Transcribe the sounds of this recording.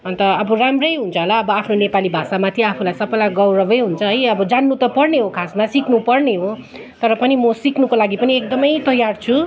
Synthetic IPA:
ʌnt̪ʌʌbʌramrʌjɦunt͡sʰʌɦolaʌbʌapʰnonepalibʱasamat̪ʰiapʰulajsʌbʌlajɡʌwɾʌbʌjɦunt͡sʰʌɦʌjʌbʌd͡zanːut̪ʌpʌrneɦokʰasmasikʰnupʌrneɦo | t̪ʌɾʌpʌnimʌsikʰnukolaɡipʌniek̚d̪ʌmʌjt̪ʌjart͡sʰu

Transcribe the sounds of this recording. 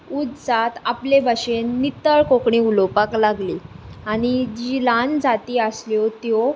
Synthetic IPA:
ud̪sat̪aplebʱaɕenːit̪əɭkokɳiulopaklaɡliaɽ̃id͡ʑiland͡zat̪iːəsljɔt̪jɔ

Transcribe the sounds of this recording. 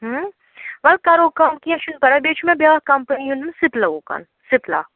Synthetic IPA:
ɦ | ʋɐlkɐɾoːkɐmkiɐ̃ʃunpɐɾɐbet͡ʃʰmẽbjaːkɐmpɐniunnsɪplɐoːkɐ̰n | sɪpla̰ː

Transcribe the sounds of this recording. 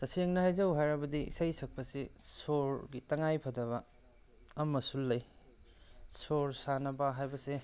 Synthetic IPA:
sɐseŋnɐhajd͡ʒɐwɦajɾɐbɐdḭsɐjsɐk̚pɐsisoɾɡitɐŋajpʰɐdɐβɐː | mːɐsulːɐj | soɾsanɐbɐɦajbɐse

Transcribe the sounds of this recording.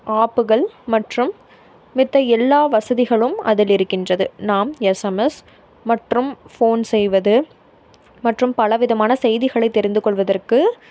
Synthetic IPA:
aːpɯɣɐɭmɐʈrɯmː | ɪt̪ːɐɛlːaːʋɐsɐðɪɣɐɭɯmɐ̰ðɪlɪɾɯkːɪndrɐðɯnaːmɛsɐmɛs | mɐʈrɯmfoːnsɛjʋɐðɯ | mɐʈrɯmpɐlɐʋɪðɐmaːnɐsɛjðɪɣɐɭɐɪt̪ːɛɾɪnd̪ɯkɔɭʋɐðɐrkɯ

